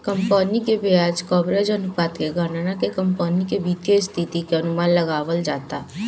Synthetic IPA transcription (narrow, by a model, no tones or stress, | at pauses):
kəmpaːnikebiaːd͡ʒkɔːbɾad͡ʒənʊpaːt̪keɡʱananãkekəmpaːnikebit̪jeɪst̪ʰit̪ikeɐnʊmaːnləɡaːʋəld͡ʒaːt̪aː